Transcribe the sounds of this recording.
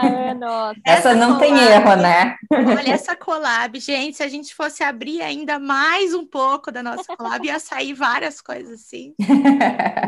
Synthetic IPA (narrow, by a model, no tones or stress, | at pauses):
ɛsɐnɐ̃w̃t̪ẽj̃eɦʊnɛɔʎɛsɐkʰolabɪʒẽt͡ʃɪ̥sɪaʒẽnt͡ʃɪ̥fosɪabɾia̰ĩnd̪ɐmajzũpokʊd̪ɐnɔsɐ̥kola̰bɪɛsaivaɾiɐskojzɐzasĩ